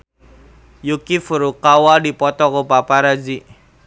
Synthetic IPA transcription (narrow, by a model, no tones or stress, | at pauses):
jukifuɾukawadipɔt̪ɔkɔpapaɾad͡ʒi